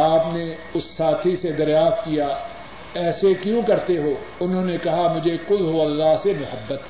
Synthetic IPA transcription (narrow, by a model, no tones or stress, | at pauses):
aːpne | ʊsːaːt̪ʰised̪ɐɾjaːft̪̚kija | ɛːsekjũkɐɾt̪eɦoː | ʊnɦõːnekɐɦamʊd͡ʒʱekʊlɦoɐlːaːɦsemʊhəbːət̪